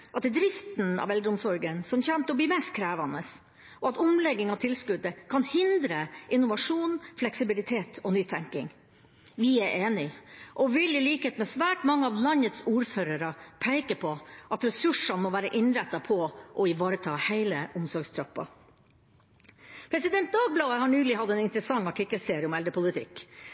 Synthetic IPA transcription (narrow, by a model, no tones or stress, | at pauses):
ʔɑt̪̚d̪ɾɪft̪nɑ̰ʋɛld̪ɾəʊmsɔɾɡənsɔmçɛnt̪əɔbliːmeːst̪kʰɾæːʋɑnəs | ʔɔɑt̪ʊmlɛɡːɪŋɑʋt̪ʰɪlskʉd̪əkʰɑnhɪnd̪ɾəʔɪnʊʋɑʂuːnflɛksɪbɪlɪt̪ʰeːt̪ʰɔnyːt̪ʰɛŋkɪ̰ŋ | ʋɪæʔeːnɪʔɔʋɪlɪliːkəheːt̪mɛsʋæːʈmɑŋːəɑʋlɑnət̪suːɾføːɾəɾɑpʰæɪkəpʰɔʔɑt̪ɾɛsʉʂɑnmɔʋæːɾəʔɪnɾɛt̪ːɑpʰɔʔɔɪʋɑːɾət̪ʰɑːhæɪləʔʊmsɔɾɡst̪ʰɾɑpːɑ̰ | pʰɾɛsɪd̪ɛnt̪̚d̪ɑːɡ̚blɑːəhɑɳyːlɪhɑd̪ːɛːnɪnt̪ɾəsɑŋːɑʈʰɪkːəlseːɾɪʊmɛld̪əpʰʊlɪt̪ʰɪ̰kː